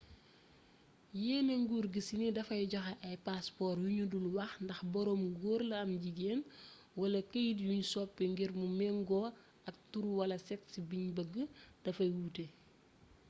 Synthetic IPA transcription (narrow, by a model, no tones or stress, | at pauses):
jɛːnɛŋɡuːrɡisinidɐfɐjɟɐxɐʔɐjpaspɔrjuɲudulwɐxndɐxbɔɾɔːmɡɔːrlɐɐmɟiɡeːn | wɐlɐkəjdjuɲsɔpːɛŋɡiɾmumɛŋɡɔ | ɐk̚tuɾuwɐlɐsɛksibiɲbəɡːəd̥ɐfɐjwuːte